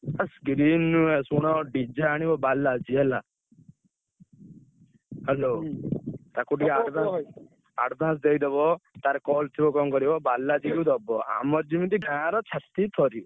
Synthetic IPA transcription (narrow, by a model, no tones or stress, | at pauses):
asɡɾinːuesuɽ̃ɔɖid͡ʒaaɽ̃ibɔbalad͡ʒiɛla | hɛlo | t̪akuʈiaɽbã | aɖb̪ʱãs̬d̪eid̪ebɔt̪aɾɛkɔlt̪ʰibɔkɔmkɔɾibɔbalːad͡ʒikud̪ɔbɔa̰mɔɾd͡ʒimit̪iɡʱãɾɔt͡ʃʰat̪it̪ʰɔɾi